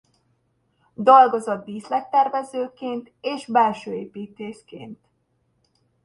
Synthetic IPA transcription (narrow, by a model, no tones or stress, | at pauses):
d̪ɒlɡozɒd̪̚biːslɛk̚t̪ɛrvɛzøːkeːnt̪eːʃbɛlʃøːeːpiːt̪eːʃkḛːnt̪